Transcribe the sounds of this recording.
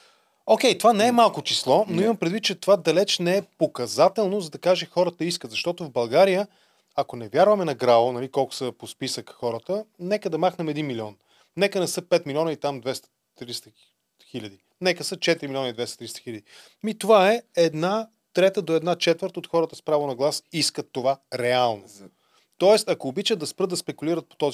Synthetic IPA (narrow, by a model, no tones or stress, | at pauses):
okʲɛjt̪ovanɛɛmalˠkot͡ʃislˠɔnoiməmpɾɛd̪vit̪̚ːt͡ʃɛt̪ovad̪ɐlɛt͡ʃnɛɛpokɐzat̪ɛlˠnozɐd̪ɐkaʒɛxɔɾət̪əiskət̪zɐʃt̪ɔt̪ovbɐlˠɡaɾijə | ɐkonɛvʲjaɾvɐmɛnɐɡɾavˠonɐlikɔlˠkʊ̥səpospisəkxɔɾət̪ənɛkəd̪ɐmaxnɐmɛd̪inmilʲiɔn | nɛkənɛsɤpɛt̪milʲiɔnəit̪amd̪vɛst̪ə̥ | t̪ɾist̪ə | xilʲəd̪i | nɛkəsət͡ʃɛt̪iɾimilʲiɔnəid̪vɛst̪ə̥t̪ɾist̪ə̥xiləd̪i | mit̪ovaɛɛd̪na | t̪ɾɛt̪əd̪oɛd̪nat͡ʃɛt̪vəɾt̪ot̪xɔɾət̪əspɾavonɐɡlˠasiskət̪ːovaɾɛalˠno | t̪ɔɛst̪ɐkoːbit͡ʃət̪ɐspɾɤd̪ɐspɛkuliɾət̪̚po̥t̪ɔz